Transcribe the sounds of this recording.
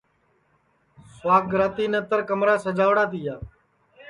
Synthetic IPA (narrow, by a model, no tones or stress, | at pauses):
sʋaːk̚ɡɾaːt̪iːnət̪əɾkəmɾaːsəd͡ʒaːʋɽaːt̪iːjaː